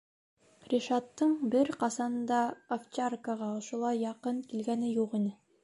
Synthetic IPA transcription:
ɾʲiʃɑt̪ːɤɴbɘɾqɑsɑnɤnd̪ɑːft͡ɕarkəʁɑŏʃŏlˠɑjːɑqɤɴkilɡænɘjuqinɘ

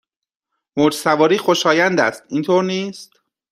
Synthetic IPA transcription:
mod͡ʒsævɒːɾiːxo̞ʃɒːjænd̪æst̪iːnt̪ʰoːɾniːst̪

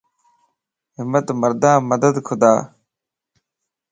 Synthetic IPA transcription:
ɦɪmːət̪məɾd̪ãːməd̪əd̪kʰʊd̪aː

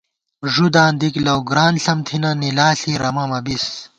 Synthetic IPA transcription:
ʐud̪ãːnd̪iklɐwɡɾaːnɬɐmt̪ʰinɐnilaːɬiɾɐmɐmɐbis

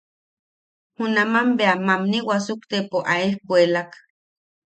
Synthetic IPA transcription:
hunamambeamamniwasukt̪epoʔaehkwelak

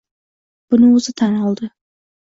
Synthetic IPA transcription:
b̥ʊnɪɵzɪt̪ʰanɒlˠd̪ɪ

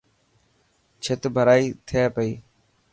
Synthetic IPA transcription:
t͡ʃʰɪt̪bʱəɾaːiːt̪ʰɪjaːpəiː

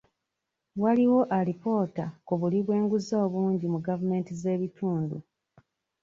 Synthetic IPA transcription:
waliwo̞ʔaɾipo̞ːtakuβuliβwe̞ːŋɡuzo̞ːβuːɲɟimuɡavume̞ːntize̞ːβitʰuːndṵ

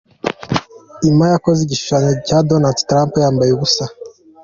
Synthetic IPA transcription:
imajakoziɟiʃu̥ʃaɲocadonaldtɾampjaːmbajeβusa

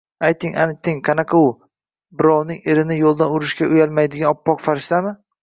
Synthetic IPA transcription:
ajt̪ɪŋʔa̰nɪk̚ʲt̪ʰɪŋqʰɑnaqʰaʊ | bɪɾɒwnɪŋeɾɪnɪjolˠd̪anʊɾɪʃkʲaʔʊjalˠmajd̪ɪɡʲanɒpːɒqfaɾɪʃt̪amɪ

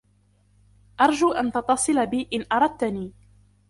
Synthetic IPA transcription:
ʔɑɾˤd͡ʒuːʔant̪ɑt̪ːɑsˤɨlabiːʔɪnʔɑɾˤɑd̪̚t̪aniː

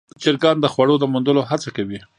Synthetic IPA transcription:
t͡ʃɪɾɡɑnd̪əxwaɽod̪əmund̪əloɦat͡sakawi

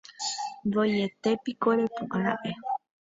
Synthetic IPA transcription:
ndojet̪epikoɾepũʔãɾãʔe

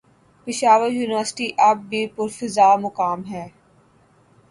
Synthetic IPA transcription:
pɪʃaːʋəɾjuːnɪʋəɾsʈiʔɐb̚ːipʊɾfɪzaːmʊkaːmɦɛː

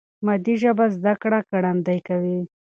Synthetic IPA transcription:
mad̪iʒabazd̪akɽakaɽand̪ajkawi

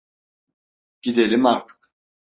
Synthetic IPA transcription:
ɟ̥id̪elʲimaɾt̪ʰɯ̥k

